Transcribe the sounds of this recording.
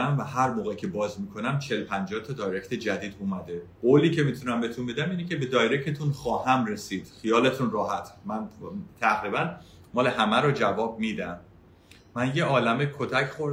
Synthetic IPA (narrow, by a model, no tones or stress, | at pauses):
æmvæhæɾmoːɣecʰe̞bɒːzmiːkʰo̞næmt͡ʃʰelpʰænd͡ʒɒːht̪ʰɒd̪ɒːjɾecʰt̪ʰe̞d͡ʒæd̪iːd̪umæd̪e̞ɢoliːcʰemiːt̪ʰunæmbet̪ʰunbe̞d̪æmiːnecʰe̞bed̪ɒːjɾecʰe̞t̪ʰunχɒːhæmɾe̞siːd̪̥xijɒːle̞t̪ʰunrɒːɦæt̪ʰmænt̪ʰæɣɾiːbæn | mɒːle̞hæmæɾod͡ʒævɒːb̚miːd̪æmː | ænje̞ɒːlæmekʰot̪ʰæcʰχoɾ